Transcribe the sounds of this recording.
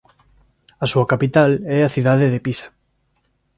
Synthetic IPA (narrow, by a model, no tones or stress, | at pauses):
asuakapit̪alɛaθiðaðeðepisḁ